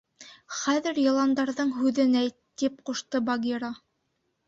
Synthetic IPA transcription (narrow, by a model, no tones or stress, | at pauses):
χæðɘ̆ɾjɤ̆lˠɑnd̪ɑɾðɤɴɦʉðɘnæjt̪ːip̚quʃt̪ɤbɐɡʲiɾɑ